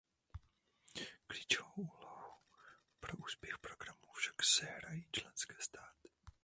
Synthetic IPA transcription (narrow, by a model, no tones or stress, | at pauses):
klit͡ʃovwoʔuːlohu | pɾoʔuːspjɛxpɾoɡɾamufʃḁksɛɦɾajiːt͡ʃlɛnskɛːst̪aːt̪ɪ̥